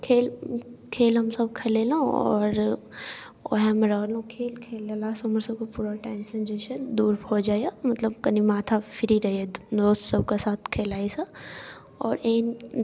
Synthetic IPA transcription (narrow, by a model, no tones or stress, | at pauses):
kʰeːlkʰeːlɦɐmsɐbkʰeleːlũɔ̰ːɾ | o̰ɦɛmɾaːlõkʰeːlkʰeːlelasməɾsɐb̚kopuːɾaʈaːɪnsẽnd͡ʒeːʃed̪uːɾɦod͡ʒaːeamɐt̪ləb̚kɐnimaːt̪ʰafʰɪɾiɾɐɦeed̪oːst̪sɐb̚kasaːt̪ʰkʰeːlaːesɐ | ɔːɾeːn